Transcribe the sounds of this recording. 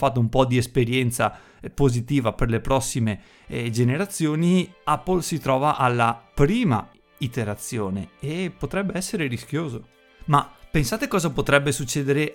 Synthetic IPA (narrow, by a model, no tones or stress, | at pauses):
fat̪ːoumpɔd̪iespeɾjɛnt̪sa̰ | pozit̪iːvaperlepɾɔsːime | d͡ʒeneɾat̪sːjoːniapːolsit̪ɾɔːvaʔalːapɾiːma̰ | it̪eɾat̪sːjoːneepot̪ɾɛbːeɛsːeɾeɾisk̟joːzo | mapensaːt̪ekɔːzapot̪ɾɛbːesut͡ʃːɛːd̪eɾe